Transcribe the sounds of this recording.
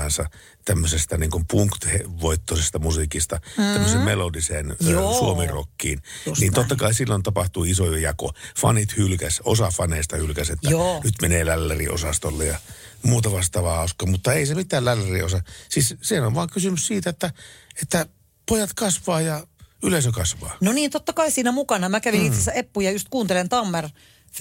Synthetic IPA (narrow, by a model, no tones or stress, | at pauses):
ɑnsɑ | t̪æmːøsest̪ɑniːŋkumpuŋkt̪heʋoit̪ːosest̪ɑmusikist̪ɑt̪æmːøsemmelodiseːnsuomiro̰kːḭːnniːnt̪ot̪ːɑkɑisilːont̪ɑpɑht̪uːisojjɑ̰ko̰fɑ̰nit̪hylkæso̰sɑfɑneːst̪ɑhylkæset̪ːænyt̪meneːlælːerḭo̰sɑst̪olːejɑ | muːt̪ɑʋɑst̪ˑɑːʋɑhɑˑuskɑːmut̪ːɑeisemit̪ːˑæːllælːeriosɑsiːssiːhænoʋʋɑːŋkysymyssiːt̪æet̪ːæet̪ːæ | pojɑt̪kɑsʋɑːjɑylesøkɑsʋɑ̰ːnoniːnt̪ot̪ːɑkɑisiːnæmukɑnɑmækæʋinit̪sesːæepːujɑjust̪̚kuːnt̪elent̪ɑmːer